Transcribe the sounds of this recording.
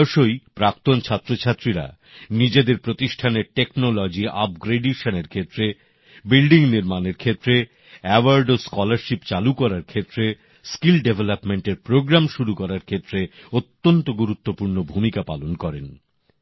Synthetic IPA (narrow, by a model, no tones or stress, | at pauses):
oʃojpɾak̚t̪ont͡ɕʰat̪ːɾot͡ɕʰat̪ːɾiɾa̰ | nid͡ʑed̪eɾpɾot̪iʃʈʰaneɾʈeknolɔd͡ʑia̰p̚ɡɾeɖiʃoneɾkʰet̪ːɾe | bilɖiŋniɾmaneɾkʰet̪ːɾe | ɛwaɾɖoskɔlaɾʃipt͡ɕalukɔɾaɾkʰet̪ːɾe | skilɖebʱelapmeɳʈeɾpɾoɡɾamʃuɾukɔɾaɾkʰet̪ːɾeot̪ːont̪oɡuɾut̪ːopuɾnobʱumikapalonkɔɾen